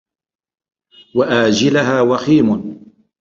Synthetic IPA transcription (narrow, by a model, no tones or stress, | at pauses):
waʔaːd͡ʒɪlaɦaːwɑxiːmʊn